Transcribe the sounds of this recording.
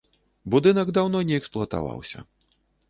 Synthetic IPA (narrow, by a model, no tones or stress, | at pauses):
bud̪ɨnɐɡd̪awnɔnʲɛɛksplˠʊɐt̪a̰va̰wsʲɐ̰